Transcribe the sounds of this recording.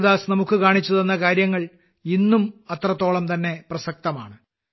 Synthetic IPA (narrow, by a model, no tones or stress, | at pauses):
ðaːsnɐmukːɨkaːɳit͡ɕːuðenːɐkaːɾjɐŋːɐɭ | inːumɐt̪rɐt̪ːo̞ːɭɐmt̪ɐnːe̞prɐsɐk̚t̪ɐma̰ːɳɨ